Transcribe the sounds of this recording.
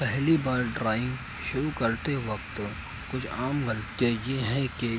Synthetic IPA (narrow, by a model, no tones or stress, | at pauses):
pɛɦlibaːɾɖɾaːɪ̃ŋɡ | ʃʊɾukɐɾt̪eʋɐkt̪ | kʊt͡ʃʰaːmɡɐlt̪ijajeɦɛ̃ke